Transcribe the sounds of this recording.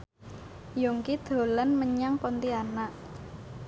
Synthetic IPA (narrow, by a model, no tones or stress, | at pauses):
jɔŋkid̪̥o̤lanməɲaŋpɔnt̪ianaʔ